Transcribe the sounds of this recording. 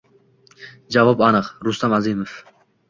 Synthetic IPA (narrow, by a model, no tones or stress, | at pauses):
d͡ʒavɒpanɨqɾʊst̪amazimof